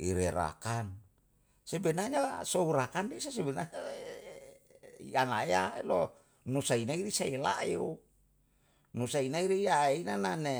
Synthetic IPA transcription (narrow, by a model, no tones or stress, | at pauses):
ḭɾeɾa̰kan | sebɛnaɲasouɾakandesasebɛnaɲa | ianaeaḛlo | nusainaiɾisaela̰ḛu | nusainaiɾijaeinanane